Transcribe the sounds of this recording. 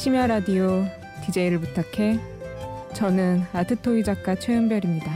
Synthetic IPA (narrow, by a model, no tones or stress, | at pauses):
ɕʰimjaɾadio | tid͡ʑe̞iɾɯɭbutʰakʰe̞ | t͡ɕʌnɯnatʰɯtʰoid͡ʑak͈at͡ɕʰwejɯnbjʌɾimɲida